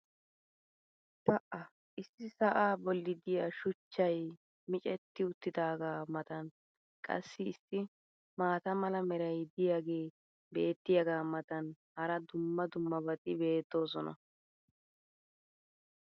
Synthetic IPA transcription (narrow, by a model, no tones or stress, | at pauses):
t̪ɐʔɐ | ʔɪsːɪsɐʔaːbɔlːɪd̪ɪjaʃʊt͡ʃːɐj | mɪt͡ʃʼɛt̪ːɪʊt̪ːɪd̪aːɡaːmɐt̪ɐn | kʼɐ̰sːɪːsːɪ | maːt̪ɐmɐlɐmɛɾɐjd̪ɪjaːɡe̞ː | be̞ːt̪ːɪjɐɡaːmɐt̪ɐn | hɐɾɐd̪ʊmːɐd̪ʊmːɐbɐt̪ʼɪbe̞ːt̪ːo̞ːs̬ɔnɐ̰